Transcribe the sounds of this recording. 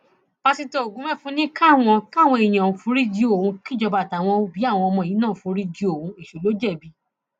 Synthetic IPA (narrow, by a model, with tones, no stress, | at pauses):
pa˧si˧to˧o˨ɡũ˨˦mɛ˦˨fũ˦nĩ˦ka˦˨w̃ɔ̃˧ka˦˨w̃ɔ̃˧e˨j̃ã˨ũ˨fũ˧˦ɾi˦d͡ʒi˦o˨ũ˧ki˦d͡ʒɔ˧ba˧˨ta˨w̃ɔ̃˧bi˨˦a˦˨w̃ɔ̃˧ɔ˧mɔ̃˧˨i˨˦ãː˦˨fũ˧˦ɾi˦d͡ʒi˦˧o˨ũ˧˦i˨ʃo˨lo˨˦d͡ʒɛ˦˨bi˨˧